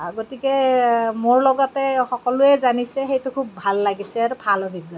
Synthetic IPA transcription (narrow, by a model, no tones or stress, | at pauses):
ɡotikɛmoɹlɔɡɔtɛxɔkɔlʊɛzanisɛxejtʊkʰubːʱalːaɡisɛɹpʰalɔbʱibjɔ